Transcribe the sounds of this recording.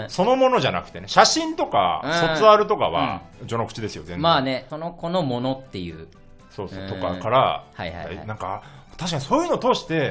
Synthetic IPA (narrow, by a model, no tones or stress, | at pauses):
so̞no̞mono̞ʑanakɯ̥t̪e̞neɕaɕĩnt̪o̞ka̰so̞t͡sɨaɾɯ̟t̪o̞ka̰βa̰d͡ʑo̞nokɯ̟̥t͡ɕid̪e̞sɨjo̞zẽmaːne̞so̞no̞ko̞nomo̞no̞t̪ːe̞jɯ̟̰ː | so̞ːso̞ːt̪o̞ka̰kaɾahajha̰ḭnãŋka | t̪aɕikaɲiso̞ːjɯ̟noːt̪o̞ːɕi̥t̪e̞